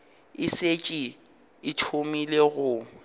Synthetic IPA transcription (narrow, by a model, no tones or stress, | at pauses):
ɪset͡ʃʼi | ɪtʰomileɣʊ